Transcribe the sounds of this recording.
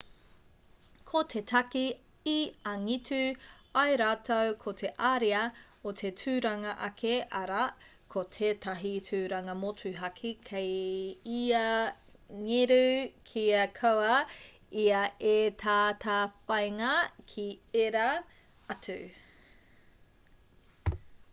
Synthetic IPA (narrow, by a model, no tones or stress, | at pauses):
kʰotʰetʰɐki | iɐŋitʉɐjɾaːtʰɐwkʰotʰe̞ʔaɾiɐ | ot̪ʰetʰʉːɾɐŋɐʔɐkʰeʔɐɾɐ | kʰotʰetʰɐɦitʰʉːɾɐŋɐmotʰʉɦɐkʰikʰejiɐ | ŋeɾʉkʰiɐkʰɐwɐ | iɐetʰaːtʰafɐjŋɐkʰieɾɐ | ɐtʉ